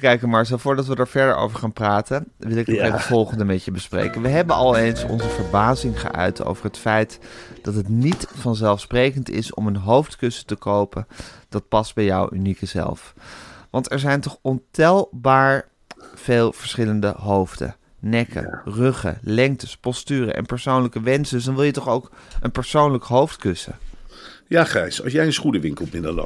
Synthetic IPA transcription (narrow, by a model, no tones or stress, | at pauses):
kɛjkəmaɹs̬əfʊːɹdɑtʋədaːɹvɛɹdə̰ɹo̰wvəɹχaːnpraːtəʋɪlˠɪkəeətfɔlˠχəndəmɛtəbəsprḛjkənʋəɦɛbənɑlˠejnsɔ̰nzəvəɹbaːzɪŋχə̰ʔœ̰ɥtʰo̰wvəɹɦətfɛjtd̥ɑtɦətnitfɑnzɛlˠfsprejkəntɪ̰sɔ̰mənɦowftkɵsə̥təkowpənd̥ɑt̚pɑs̚bɛjɔwynikəzɛ̰lˠfʋɑntɛɹzɛjntɔχɔntɛlˠbaːɹ | v̥eːlˠv̥əɹsχɪləndə̰ɦowvdə̰ | nɛkə̰røχə̰lɛŋk̚təspɔstyːrə̰ʔɛ̰npəɹsownləkəʋɛnsədɵsdɑnʋɪlˠjətɔχowkənpəɹsownləkɦowftkɵsə̰ | jaːχrɛjsɑ̰lˠsjɛjə̃nsχunəʋɪŋkəlˠpmɪndəlo̰